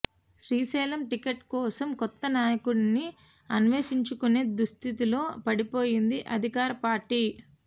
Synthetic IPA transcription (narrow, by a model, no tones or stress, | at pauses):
sɾiːsɛːlɐmʈikɐʈkɔːsɐmkɔt̪ːɐnaːjɐkuɽni | ɐnʋeːsiɲt͡ʃukune̞ːd̪ɾust̪ʰit̪ilo̞ːpɐɽipo̞ːjind̪iʔɐd̪ʱikaːɾɐpaːɾʈːiː